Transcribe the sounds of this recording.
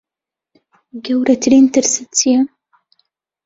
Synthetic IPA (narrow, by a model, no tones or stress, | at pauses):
ɡɐwɾɐtʰɨɾiːntʰɨɾsɨt͡sʰijɛ